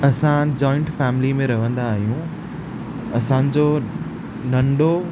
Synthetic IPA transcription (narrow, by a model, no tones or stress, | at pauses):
ɐsãd͡ʑɔːɪ̃ɳʈfɛːmɪlimẽɾɐʋ̤ə̃nd̪aːɦijũ | ɐsã̆ːd͡ʑo | nɐ̃ɳɖo